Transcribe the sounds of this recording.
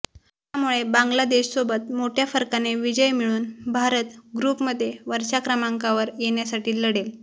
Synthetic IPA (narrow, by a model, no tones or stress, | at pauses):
ɦjamuɭebaŋɡlad̪eɕsobət̪moʈʰjafəɾkaneʋid͡ʑəjmiɭuːnbʱaɾət̪ɡɾuːpməd̪ʱːjeʋəɾɕakɾəmaŋkaʋəɾjeɳjasaʈiːləɽel